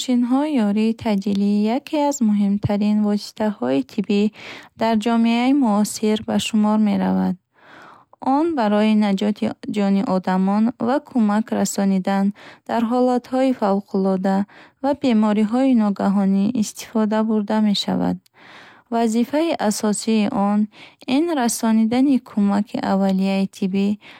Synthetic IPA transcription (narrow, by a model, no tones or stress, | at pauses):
mʃinɦɔijɔɾiːt̪ʰad͡ʒiliːjakʰeazmuɦimt̪ʰaɾinvɔsi̥t̪ʰahɔit̪ʰibid̪aɾd͡ʒɔmeaimuɔsiɾbaʃumɔɾme̞ɾa̰vad̪̚ | ʔɔnbaɾɔinad͡ʒɔt̪ʰid͡ʒɔniʔɔd̪amɔnvakʰumakɾasɔnid̪and̪̥aɾɦɔlat̪hɔifawqʰulɔd̪avabe̞mɔɾiɦɔinɔɡaɦɔniʔːst̪i̥fɔd̪abuɾd̪ame̞ʃa̰va̰d̪̚ | vazifaiʔasɔsiːʔɔninɾasɔnid̪anikʰumakʰiʔavːalijait̪ʰibi